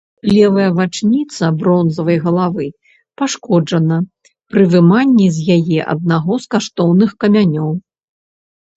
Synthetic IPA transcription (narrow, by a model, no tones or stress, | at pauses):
lʲɛvɐjɐvat͡ʂnʲit̪sɐbɾɔnzɐvɐjɣɐlˠavɨ | paʂkɔd͡ʐɐnɐ | pɾɨvɨmanʲːɛzʲjajɛʔɐ̰d̪̚naɣɔskaʂt̪ɔwnɨxkɐmʲanʲɔw